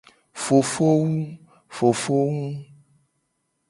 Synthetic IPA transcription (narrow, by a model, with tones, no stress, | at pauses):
fo˨fo˦wu˦ | fo˨fo˦ŋũ˦